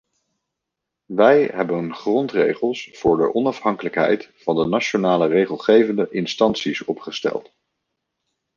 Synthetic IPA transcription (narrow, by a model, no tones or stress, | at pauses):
ʋɛjɦɛbənχrɔntrḛjχəlˠsfʊːɹdə̰ʔɔnɑfɦɑŋkələkɦɛ̰jtfɑndənat͡ʃonaːlərejχəlˠχejvəndəʔɪnstɑnsisɔpχəstɛ̰lˠt